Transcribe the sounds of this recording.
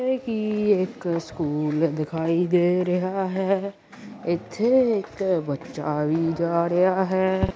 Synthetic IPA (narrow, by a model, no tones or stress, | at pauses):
ekieːkskuːld̪ɪkʰaːid̪eɾɐɦaɦɛː | ɪt̪ʰeeːkbɐtːʃawid͡ʒaːɾɐɦaɦɛː